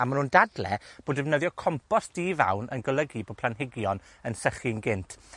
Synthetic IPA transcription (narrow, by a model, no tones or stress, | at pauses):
amanhuːndadlɛ̰b̥oːdɛvnəðjɔkʰɔmpʰɔsd̥iːva̰wnʔə̰nɡəlˠəɡiboːd̚pʰlˠanɦɪɡjɔn | ənsəχɪnɡɪntʰ